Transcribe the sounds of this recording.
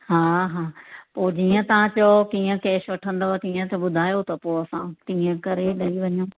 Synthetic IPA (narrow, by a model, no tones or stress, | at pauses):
ɦaːɦaːpoːd͡ʑiːə̃t̪ɐʋ̤ãt͡ɕokiːə̃keːʃʋɐʈʰə̃nd̪ot̪iːə̃t̪ɐɓʊd̪ʱaːjot̪ɐpoːɐsãt̪iːə̃kɐɾeɗɐiʋɐɲoː